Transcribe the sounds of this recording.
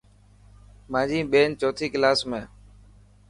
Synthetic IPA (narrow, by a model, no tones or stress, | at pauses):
mãːd͡ʒiːɓeːnt͡ʃoːt̪ʰiːklaːsmẽː